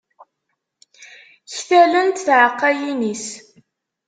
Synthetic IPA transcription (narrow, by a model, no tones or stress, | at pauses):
çθælənt̪θʕəqːæjinis